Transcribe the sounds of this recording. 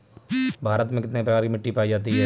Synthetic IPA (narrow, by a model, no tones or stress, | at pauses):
bʱaːɾət̪mẽkɪt̪nepɾɐkaːɾkimɪʈːipaːid͡ʒaːt̪̬iɦɛː